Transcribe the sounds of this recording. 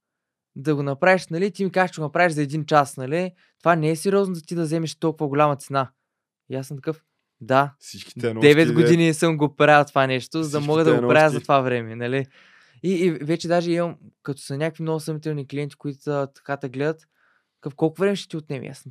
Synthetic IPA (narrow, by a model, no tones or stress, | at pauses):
d̪ɐɡonɐpɾaviʃnɐlit̪imikaʃt͡ʃeɡonɐpɾaviʃzɐɛd̪int͡ʃasnɐli | t̪ovanɛɛsɛɾiɔznod̪ɐt̪id̪ɐzɛmɛʃt̪ɔlˠkʊvɐɡʊlʲamɐt̪sɛna | jasənt̪ɐkɤf | d̪asiki̥dɛɛvɛt̪dɡod̪inisɤmɡopɾat̪ovanɛʃt̪ozɐd̪ɐmɔɡəd̪ɐɡopɾaəzɐt̪ovavɾɛmɛnɐli | iːvɛt͡ʃɛd̪aʒɛimɐmkɐt̪o̥sɐnʲakvimnoɡʊsɐmit̪ɛlˠnikliɛnt̪i̥koit̪ʊ̥ət̪ɐ̥kat̪ɐɡlɛd̪ət̪ | t̪kɤfkɔlˠkʊvɾɛmɛʃɛ̥t̪iot̪nɛm̰ja̰sn